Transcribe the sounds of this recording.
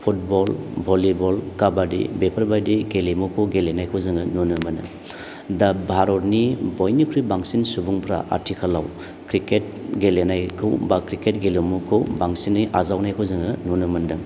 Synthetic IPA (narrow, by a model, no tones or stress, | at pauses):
pʰut̚bɔlbʱolibɔlkabadḭbepʰɐɾbadiɡelimukʰɯwɡelenajkʰɯwzɯŋɯnunɯmɯnɯ̰ | dabʱaɾɔt̚nibojnikʰɾibaŋsinsubuŋpʰɾa̰ʔa̰tʰikʰalːa̰w | kɾiket̚ | ɡelenajkʰɯwbakɾiket̚ɡelumukʰɯwbaŋsinːiʔazawnajkʰɯzɯŋɯnunɯmɯndɯŋ